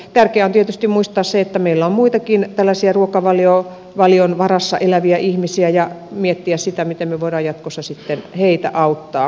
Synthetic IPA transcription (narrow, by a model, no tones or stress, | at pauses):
t̪ærkeæont̪iet̪yst̪immuist̪ɑːsseet̪ːæmeilːæommuit̪ɑkint̪ælːæsiæruokɑʋɑljo | ʋɑlionʋɑrɑsːɑ̰ʔelæʋiæʔihmisiæjɑmiet̪ːiæssit̪æmit̪emmeʋoˑiɾɑːjɑt̪kosːɑsit̪ːenheit̪æ̰ʔɑut̪ːɑː